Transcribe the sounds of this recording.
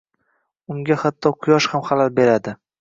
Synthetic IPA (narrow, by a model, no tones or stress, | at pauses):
ʊŋɡʲahat̪ʰːɒqʰʊjɒʃhamχalalbe̞ɾad̪ɪ